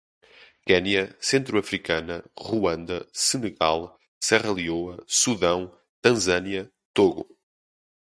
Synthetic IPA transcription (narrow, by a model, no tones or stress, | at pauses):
kɛniɐsẽnt̪ɾuɐfɾikɐnɐʁuɐ̃nd̪ɐsɨnɨɣalˠ | sɛʁɐlˠioɐsuðɐ̃w̃ | t̪ɐ̃zɐniɐ | t̪oɣṵ